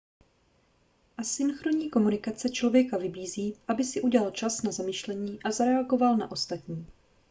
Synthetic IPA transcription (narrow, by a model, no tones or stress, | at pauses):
ʔasɪnxɾo̞ɲiːko̞munɪkat͡sɛt͡ʃlo̞vjɛkavɪbiːziːʔabɪsɪʔuɟɛlalt͡ʃasnazamɪʃlɛɲiːʔazaɾɛaɡo̞valna̰ʔo̞st̪at̪ɲiː